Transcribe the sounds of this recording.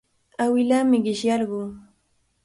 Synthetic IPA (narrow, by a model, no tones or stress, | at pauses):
awɪlaːmɪɢɪʃjɑɾɢʊŋ